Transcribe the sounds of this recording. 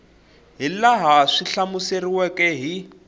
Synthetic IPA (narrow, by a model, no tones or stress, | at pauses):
ɦilaɦaʂiɬamuseriwɛkɛɦi